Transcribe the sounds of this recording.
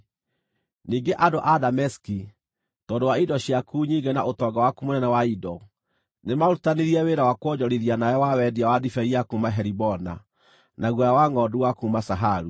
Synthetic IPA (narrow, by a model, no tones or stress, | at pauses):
niːŋɡeʔadoʔadamɛski | tɔːndowaidɔɕiakuɲiɡɛnaʔotɔɡawakumonɛnɛwaidɔ | nemaɾutaneɾiɛweɾawakwɔɲɔɾiðianaɔwawɛdiawadifɛiakumaɦɛɾibɔna̰ | naɣwɔjawaŋɔduwakumasaɦaɾu